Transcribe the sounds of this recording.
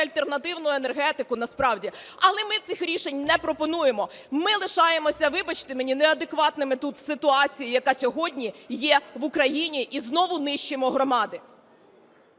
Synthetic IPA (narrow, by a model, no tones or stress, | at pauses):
ɐlʲt̪ernɐt̪ɪwnʊjʊenerɦɛt̪ɪkʊnɐspɾɑwdʲiɐlˠɛmɪt̪sɪxɾʲiʃenʲnɛpɾɔpɔnuje̞mɔmɪlˠɪʃɑjemɔsʲɐʋɪbɐt͡ʃt̪ɪmenʲineɐd̪ekʋɑt̪nɪmɪt̪ut̪sɪt̪ʊɑt͡sʲijijɐkɑsʲɔɦɔdʲnʲijɛʋʊkɾɐjinʲiʔiznɔʋʊnɪʃt͡ʃemɔɦɾɔmɑd̪ɪ